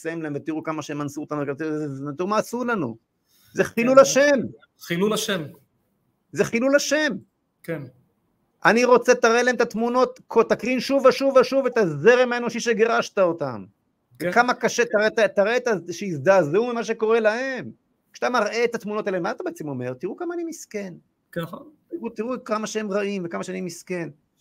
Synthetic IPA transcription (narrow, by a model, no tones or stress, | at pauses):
saemlaemvet̪iʁukamaʃeemansuot̪anuvekat̪t̪iʁumaːsulanṵ | zeχilulaʃem | χilulʃem | zeχilulaʃe̞m | ken | ʔaniʁo̞t͡se̞t̪aʁʔelaemet̪at̪muno̞t̪kʰot̪akʁinʃuvaʃuvaʃuvet̪azeʁemaeno̞ʃiʃeɡeʁaʃt̪ao̞t̪a̰m | kamakaʃet̪aetat̪aʁet̪aʃeizd̪aːzeumimaʃ̬e̞ko̞ʁe̞lahe̞m | kʃat̪amaʁʔe̞ːt̪at̪muno̞t̪alemat̪abeet͡semo̞me̞̰ʁt̪iʁukamaːnimiske̞n | nont̪iʁut̪iʁukamaʃeemʁaimvekamaʃanimiske̞n